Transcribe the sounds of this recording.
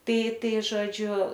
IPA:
ˈtɐɪ ˈtɐɪ ʒoːˈd͡ʒʲʊ

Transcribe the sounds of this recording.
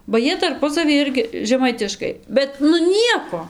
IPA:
bɐ ˈjiɛ tɐrˈpʊsɐʋʲiː ˈɪrʲɡʲɪ ʒʲɛˈmɐɪtʲɪʃkɐɪ ˈbʲɛt nʊ ˈnʲiɛkoː

